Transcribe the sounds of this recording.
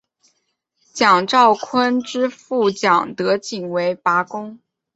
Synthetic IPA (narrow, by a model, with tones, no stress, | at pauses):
t͡ɕjɑ˨˩ŋʈ͡ʂɑ˥˩ʊkʰwə˥nʈ͡ʂɻ̩˥fu˥˩t͡ɕjɑ˨˩ŋt̪ɤ˧˥t͡ɕi˨˩ŋwe˧˥ɪpa˧˥kʊ˥ŋ